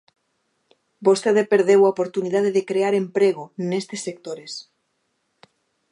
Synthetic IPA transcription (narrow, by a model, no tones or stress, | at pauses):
bost̪eðepeɾð̞ewaopoɾt̪unið̞að̞eðekɾeaɾempɾeɣonest̪esːek̚t̪oɾes